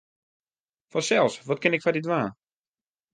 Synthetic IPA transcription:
fɔsɛlˠsʋɔtkɪnɪkfadidʋaːn

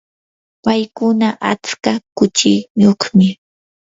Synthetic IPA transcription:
pajkʊnaʔa̰t͡skakʊt͡ʃɪjoχmɪ

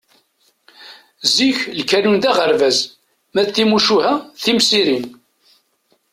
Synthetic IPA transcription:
ziçlkænund̪æʁəɾvæz | mæt̪ːimuʃuhæθimsiɾin

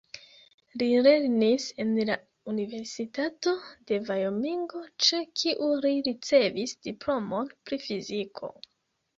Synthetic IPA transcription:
lile̞ɾnise̞nla | unive̞ɾsitato̞de̞vajomiŋɡo̞t͡ʃekʰiʔuliɾit͡se̞visd̥iplo̞mo̞npɾifizikʰo̞̰

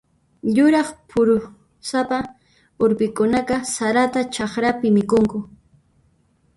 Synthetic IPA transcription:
ʎʊɾɑχpʰʊɾʊ | sapa | ʊɾpɪkʊnaqɑsaɾat̪at͡ʃɑχɾapɪmɪkʊŋkʊ

